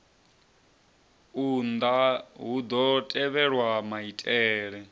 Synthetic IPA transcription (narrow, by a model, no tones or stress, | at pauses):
und̪aɦud̪ɔtʼɛβɛɺwamaitʼɛːɺɛ